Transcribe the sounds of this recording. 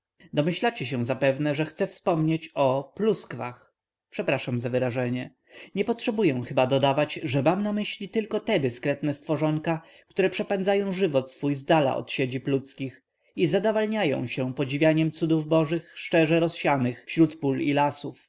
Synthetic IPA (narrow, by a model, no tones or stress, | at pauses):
d̪ɔmɘɕlat͡ɕɛɕɛ̃zapɛvnɛʐɛxt̪sɛfspɔmɲet͡ɕɔpluskva̰x | pʂɛpɾaʂamzavɘɾaʐɛɲɛ | ɲɛpɔtʂɛbujɛw̃xɘbad̪ɔd̪avat͡ɕʐɛmamnamɘɕlʲit̪ɘlkɔt̪ɛd̪ɘskɾɛt̪nɛst̪fɔʐɔŋka | kt̪uɾɛpʂɛpɛnzajɔ̃w̃ʐɘvɔt̪sfujzd̪ala̰ʔɔ̰t̪ɕed͡ʑiplut̪skʲix | izad̪avalɲajɔ̰̃w̃ɕɛpɔd͡ʑivʲjaɲɛmt̪sud̪uvbɔʐɘxʂt͡ʂɛʐɛɾɔsɕanɘxfɕɾut̪pulilasuf